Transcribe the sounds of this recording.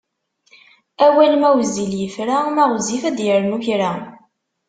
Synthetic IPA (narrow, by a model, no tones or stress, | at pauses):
æwælmæwziljəfɾamæʁzifæd̪jəɾmuçɾa